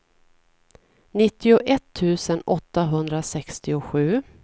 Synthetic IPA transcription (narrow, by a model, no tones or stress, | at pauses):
nɪt̪ːɪʊʔɛt̪ʰːʉ̟ːsənɔt̪ːaɦɵnd̪ɾasɛkst̪ɪʊɧʉ̟ː